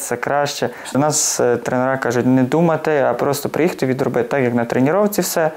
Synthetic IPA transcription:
sɛkɾɑʃt͡ʃɛ | nɑst̪ɾenɛɾɑkɑʒʊtʲnɛd̪umɐt̪ɪɐpɾɔst̪ɔpɾɪjixt̪ɪʋʲid̪ɾɔbɪt̪ɑkjɐknɐt̪ɾenʲiɾɔwt̪t͡sʲiwsɛ

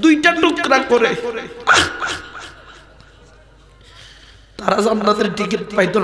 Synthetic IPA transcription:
d̪ujʈaʈukɾakoɾe | t̪aɾazɔmnad̪eɾʈik̬it̪̚pajd̪on

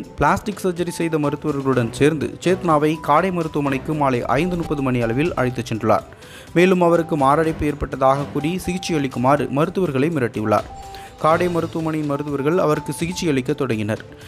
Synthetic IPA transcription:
pɭaːsʈɪksɐd͡ʒɐɾisɛjðɐmɐɾɯt̪ːɯʋɐɾɣɐɭɯɽɐnseːɾnd̪ɯ̰t͡ʃeːt̪ɐnaːʋɐɪkaːɽɐɪmɐɾɯt̪ːɯʋɐmɐnɐɪkːɯmaːlɐɪʔɐ̰ɪnd̪ɯnʊpːɐðɯmɐnɪɐɭɐʋɪlɐ̰ɻɐɪt̪ːɐt͡ʃːɛndrɯɭːa̰ːɾ | meːlɯmɐʋɐɾɯkːɯmaːɾaːɽɐɪpːeːɾpɐʈːɐðaːɣɐkːurisɪɣɪt͡ʃːɪjɐɭɪkːɯmaːɾɯ̰mɐɾɯt̪ːɯʋɐɾɣɐɭɐɪmɪɾɐʈːiɯɭːa̰ːɾ | kaːɽɐjmɐɾɯt̪ːɯʋɐmɐɳɐjɪnmɐɾɯt̪̬ːɯʋɐɾɣɐɭɐʋɐɾɯkːɯsɪɣɪt͡ʃːɪjɐɭɪkːɐt̪ːɔɽɐŋɡɪnɐ̰ɾ

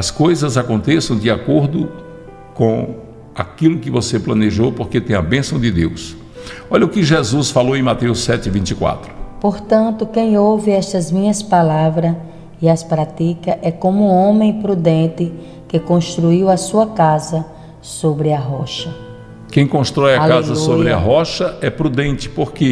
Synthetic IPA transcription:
ɐskojzɐzakõnt̪esɐ̃w̃d̪ɪakoɾd̪ʊ | kõ | a̰kilʊkɪvoseplɐ̃neʒowpoɾket̪ẽj̃ɐbẽsɐ̃w̃d̪ɪd̪ews | ɔʎɐʊkɪʒezusfalowẽj̃mat̪ewsːɛt̪ɪvĩnt͡ʃikwa̰t̪ɾʊpoɾt̪ɐ̃nt̪ʊkẽj̃owvɪɛst̪ɐzmĩɲɐspalavɾɐ | iɐspɾat̪ikɐʔɛkõmʊũõmẽj̃pɾud̪ẽnt̪ɪ | kɪkõst̪ɾuiwɐsuɐkazɐ | sobɾɪɐɦɔʃɐ | kẽj̃kõst̪ɾɔjɐklkalzɐsuojbɾɪɐ̰ɦɔʃɐɛpɾud̪ẽnt͡ʃ̪ɪ̥poɾke

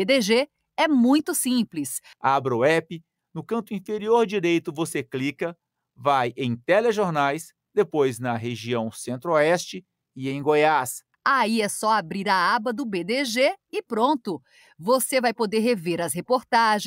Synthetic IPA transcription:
ed̪eʒe | ɛmũj̃t̪ʊsĩplɪs | abɾɐʊɛpɪ | nʊkɐ̃nt̪ʊĩfeɾioɾd͡ʒiɾejt̪ʊvoseklikɐ | vajẽj̃t̪eleʒoɾnajs | d̪epojznɐɦeʒiɐ̃w̃sẽnt̪ɾoɛst͡ʃɪ | ɪẽj̃ɡojas | aiɛsɔabɾiɾɐabɐd̪ʊbed̪eʒeɪpɾõnt̪ʊ | vosevajpod̪eɾɦeveɾɐshepoɾt̪aʒ̃

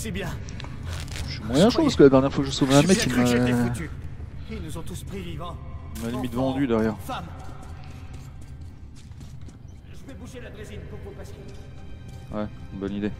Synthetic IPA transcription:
sebjɛ̃ | ʃymwajɛ̃ʃwapaʁskəlad̪ɛʁnjɛʁfwakəʒəsovɛɛ̃mɛkkːimat̪yilnuzɔ̃t̪uspχivivɑ̃imalimit̪vɑ̃d̪yd̪ɛʁjɛːʁfam | ʒəvɛbuʒelad̪ʁezinpopopask | wɛnbɔnid̪e

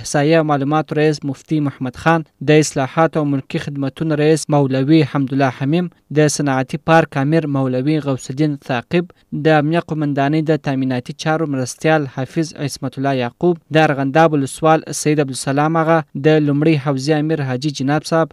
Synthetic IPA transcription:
sɑjawmɑlumɑt̪oɾais̬mʊft̪imʊhamad̪xɑnd̪əɪslɑhɑt̪awmʊlkixɪd̪mat̪unaɾaismawlawihamd̪ʊlːɑhamim | d̪əsanɑat̪ipɑɾkɑmɪɾmawlawiɣawsd̪int̪ɑqɪb | d̪əamnijaqʊmand̪ɑnəjd̪ət̪aminɑt̪it͡ʃɑɾomɾast̪jɑlhɑfɪzʕɪsmat̪ʊlːɑjɑqub̚d̪əaɾɣand̪ɑbʊləswɑlsajid̪ablusalɑmaɣad̪əlumɽəjɦawziamiɾɦɑd͡ʒid͡ʒanɑbsɑb

